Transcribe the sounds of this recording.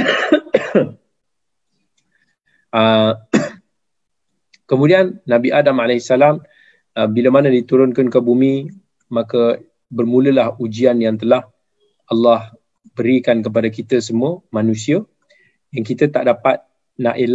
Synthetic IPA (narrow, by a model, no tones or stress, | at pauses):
ə | kəmudianːãbiʔadamalɛhsalam | əbiləmanãdit̪uɾʊnkankəbumĩ | makə | bərmũləlahud͡ʒianjaŋt̪əlah | ʔalːah | bəɾikank̬əp̬adakit̪əsəmũəmãnũsiə | jaŋkit̪ət̪aʔdapat̪̚ | naʔel